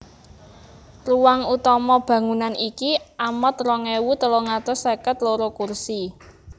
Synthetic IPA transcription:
ruwaŋut̪ɔmɔb̥ä̤ŋunanikiʔamət̪rɔŋɛwut̪əloŋat̪ɔsekət̪loɾokursi

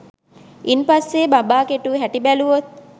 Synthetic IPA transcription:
ʔinpasːeːbabaːkeʈuɦæʈibæluʋot̪̚

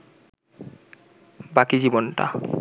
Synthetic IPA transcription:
bakid͡ʑibonʈa̰

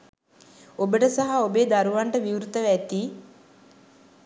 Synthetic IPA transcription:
obəʈəsaɦaobeːd̪aɾuʋaɳʈəʋiwɾut̪əʋæt̪iː

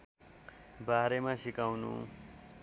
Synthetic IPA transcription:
baɾemasikawnṵ

